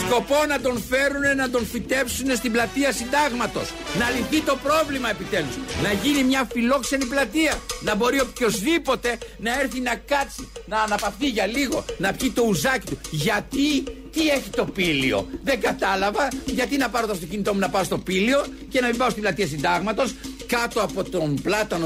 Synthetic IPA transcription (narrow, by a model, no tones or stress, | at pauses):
sko̞po̞nɐd̪o̞nfe̞ɾune̞nɐd̪o̞nfit̪e̞psune̞st̪iblɐt̪iɐsind̪ɐɣmɐt̪o̞̰snɐliθit̪o̞pɾo̞vlimɐe̞pit̪e̞lusnɐʝinimɲɐfilo̞kse̞niplɐt̪iɐnɐbo̞ɾio̞pço̞zðipo̞t̪e̞nɐeɾθinɐkɐt͡sinɐːnɐpɐft̪iʝɐliɣo̞̰nɐpçit̪o̞uzɐci̥t̪uʝɐt̪it̪ie̞çit̪o̞pilio̞̰ðe̞ɡɐt̪ɐlɐvɐʝɐt̪inɐpɐɾot̪oɐft̪o̞c̬init̪o̞munɐpɐost̪o̞pilio̞ | ce̞nɐmibɐost̪iblɐt̪iɐsind̪ɐɣmɐt̪o̞skɐt̪o̞ɐpo̞t̪omblɐt̪ɐno